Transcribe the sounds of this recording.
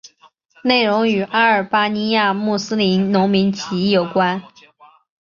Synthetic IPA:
ne˥˩ɪɻʊ˧˥ŋy˨˩ʔa˥ə˞˨˩pa˥ni˥ja˥˧mu˥˩sɹ̩˥li˧˥nnʊ˧˥ŋmi˧˥nt͡ɕʰi˧˥˩jo˨˩ʊkwa˥n

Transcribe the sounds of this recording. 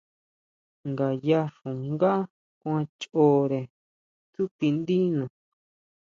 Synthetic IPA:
ŋɡa˨ja˧ʂũ˨ŋɡa˦ | kʷã˧t͡ʃo˦ɾe˨ | t̪u˦ki˧nd̪i˦nõ˨

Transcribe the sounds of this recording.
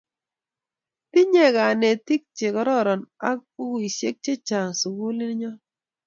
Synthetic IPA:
ti˦ɲɛ˦˨ka˨ne˨ti˦k̚t͡ʃe˨kɔ˦ɾɔ˦ɾɔ˨na˦k̚pu˦ku˦i˨ʃje˦k̚t͡ʃe˦t͡ʃa˨ŋsu˨ɡu˦li˦n˦ɲɔ˦

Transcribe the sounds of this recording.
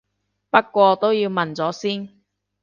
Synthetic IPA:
pɐ˥kːʷɔː˧t̪o˥wjiː˧wmɐ˨nt͡sɔː˨˥siː˥n

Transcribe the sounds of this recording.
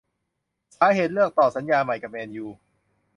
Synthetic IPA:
saː˨˦ɦeː˨˩t̪̚lɯ˥˩ək̚t̪ɔː˨˩sa˩˦njaː˧ma˨˩jka˨˩p̚ʔɛː˧njuː˧˩

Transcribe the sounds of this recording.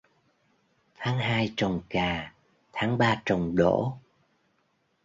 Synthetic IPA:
t̪ʰaː˨˦ŋɦaː˧jt͡ɕə˨˩wŋ͡mkaː˨˩ | t̪ʰaː˨˦ŋɓaː˧t͡ɕə˨˩wŋ͡mɗo̰˧˥

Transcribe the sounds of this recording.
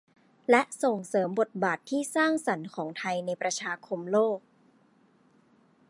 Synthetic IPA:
lɛ˦˥ʔso˨˩ŋsɤː˩˦mbo˨˩t̪̚baː˨˩t̪ʰːiː˥˩saː˥˩ŋsa˩˦nkʰɔː˩˦ŋt̪ʰa˧jna˧jpɾa˧t͡ɕʰaː˧kʰo˧mloː˥˩k̚

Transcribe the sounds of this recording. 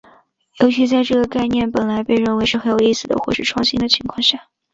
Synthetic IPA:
jo˧˥ʊɕy˧˥t͡sa˥˧ɪʈ͡ʂɤ˥˩ɡə˩ka˥˧ɪnjɛ˥˩npə˨˩nla˧˥ɪpe˥˧ɪɻə˥˩nwe˧˥ɪʂɻ̩˥˩xə˧˥njo˨˩ʊi˥˩sɹ̩˨˩d̪ə̰˩xwɔ˥˧ʂɻ̩˥˧ʈ͡ʂʰwɑ˥˩ŋɕi˧˥ŋd̪ə˧t͡ɕʰi˧˥ŋkʰwɑ˥˧ŋɕja˥˩

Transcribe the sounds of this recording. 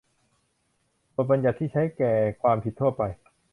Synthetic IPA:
bo˨˩t̪̚ba˧nja˨˩t̪ʰːiː˥˩t͡ɕʰa˦˥jkɛː˨˩kʰwaː˧mpʰi˨˩t̪ʰːu˥˩ɐpa˧j

